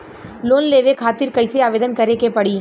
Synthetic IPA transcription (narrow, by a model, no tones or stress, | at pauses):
loːnleːʋekʰaːt̪ɪɾkɐɪseaːʋeːd̪ənkɐɾekepɐɽiː